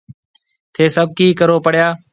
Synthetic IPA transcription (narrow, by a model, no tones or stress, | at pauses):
t̪ʰeːsəb̚kiːkəɾoːpəɽ̤jaː